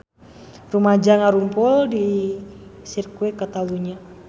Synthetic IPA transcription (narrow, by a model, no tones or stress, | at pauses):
rumad͡ʒaŋaɾumpuldi | sirkwɛkat̪aluɲa